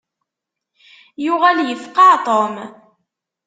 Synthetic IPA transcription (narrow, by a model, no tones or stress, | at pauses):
jʊʁæljəfqɑt̪ˤom